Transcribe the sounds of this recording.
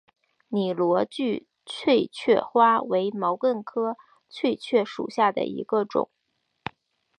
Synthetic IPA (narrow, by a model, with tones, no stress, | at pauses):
ni˨˩lwɔ˧˥t͡ɕy˥˧ | t͡ɕʰwe˥˧ɪt͡ɕʰɥɛ˥˩xwa˥we˧˥ɪmɑ˧˥ʊkə˥˩nkʰɤ˥ | t͡ɕʰwe˥˧ɪt͡ɕʰɥɛ˥˩ʂṵ˨˩ɕja˥˩d̪ə̰˩ḭ˧˥ɡə˧ʈ͡ʂʊ̰˨˩˦ŋ